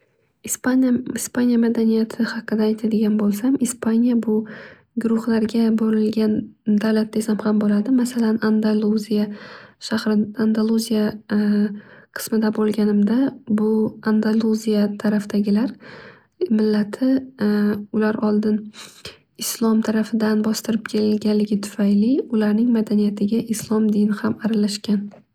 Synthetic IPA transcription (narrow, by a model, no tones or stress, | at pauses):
spaɪspanijamad̪anijat̪ʰɪhɑqːɨd̪aːjt̪ʰad̪ɪɡʲanbolˠsamɪspʰanijabʊ | ɡʊɾʊχlaɾɡʲaboɾɪlɡʲand̪awlat̪̚d̪e̞samhambolad̪ɪmasalanand̪alˠuzijaʃahɾɪand̪alˠuzija | qʰɨ̥smɪd̪abolˠɡʲanɪmd̪abʊand̪alˠuzijat̪ʰaɾafd̪̥aɡʲɪlaɾ | mɪlːat̪ʰɪ | ʊlaɾɒlˠd̪ɪn | ɪslˠɒmt̪ʰaɾafɪd̪anbɒst̪ɪɾɪp̚kʲʰe̞lɪlɡʲanlɪɡʲɪt̪ʰʊ̥fajlɪʊlaɾnɪŋmad̪anijat̪ʰɪɡʲaʔɪslˠɒmd̪ɪnɪhamaɾalaʃkʲan